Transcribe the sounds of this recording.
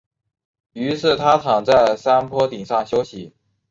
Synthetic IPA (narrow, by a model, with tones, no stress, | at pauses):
y˧˥ʂɻ̩˥˩t̪ʰa˥t̪ʰɑ˨˩ŋt͡sa˥˩ɪsa˥npʰwɔ˥t̪i˨˩ŋʂɑ˥˩ŋɕjo˥ʊɕi˧˥˦